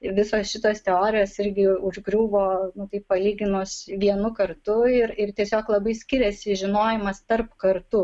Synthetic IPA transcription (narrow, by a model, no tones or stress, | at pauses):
ʋʲɪsoːsʃʲɪt̪oːst̪ʲɛoːɾʲɪjoːsɪɾʲɡʲɪʊʒɡɾʲuːʋoːnʊt̪ɐɪppɐlʲiːɡʲɪnʊsʋʲiɛnʊkɐrt̪ʊɪɾɪrt̪ʲiɛsʲoːklˠɐbɐɪsʲkʲɪɾʲɛsʲɪʒʲɪnoːjɪmɐst̪ɐrpkɐrt̪ʊ